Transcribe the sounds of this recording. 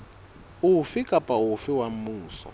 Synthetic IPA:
ufikʼapʼaufɪwam̩muːsɔ̰

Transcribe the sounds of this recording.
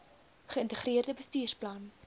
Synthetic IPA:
χəəntəχriərdəbəstyːrplɐn

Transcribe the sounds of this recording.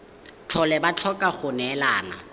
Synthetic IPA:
t͡ɬʰɔlɛbat͡ɬʰɔkʼaχʊnɛlaːna̰

